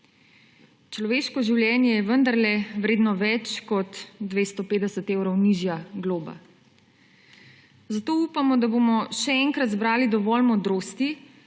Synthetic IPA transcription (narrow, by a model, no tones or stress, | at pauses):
t͡ʃlɔʋeːʃkɔʒiwljɛːnjɛjɛʋənd̪aɾlɛwɾeːd̪nɔʋɛt͡ʃkɔt̪ːʋeːst̪ɔpeːd̪ɛsət̪eːwɾɔwniʒjaɡloːba̰ | zat̪oːupamɔd̪abomɔʃɛɛŋkɾat̪zbɾaːlid̪ɔʋɔlmɔd̪ɾoːst̪i